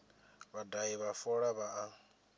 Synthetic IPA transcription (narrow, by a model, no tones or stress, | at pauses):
βadaiβafɔɺaβaʔa